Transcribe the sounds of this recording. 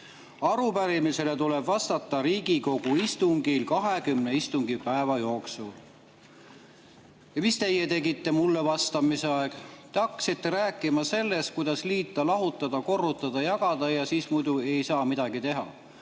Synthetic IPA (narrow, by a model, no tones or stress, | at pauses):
ɑɾupæɾimise̞le̞t̪ule̞bvɑst̪ɑt̪ːˑɑɾiːɡiko̞ɡ̥uist̪uŋɡilkɑɦe̞kymne̞ist̪uŋɡipæevɑjo̞ːksul | jɑmist̪e̞jːe̞t̪e̞ɡit̪ːe̞mulːe̞vɑst̪ɑmiseɑe̞ɡ̥t̪eɑkːˑsit̪ːe̞ɾæːkːˑimɑse̞lːe̞skujd̪̥ɑsliːt̪ːˑɑlɑɦut̪ːˑɑd̪̥ɑko̞rːut̪ːˑɑd̪̥ɑjɑɡ̥ɑd̪̥ɑjɑsiːsmujd̪ue̞jsɑːmid̪̥ɑɡ̥it̪e̞ɦɑ̰